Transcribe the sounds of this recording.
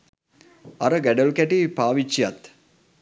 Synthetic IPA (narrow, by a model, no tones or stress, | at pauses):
aɾəɡæɖəlkæʈipaːʋit͡ʃːijat̪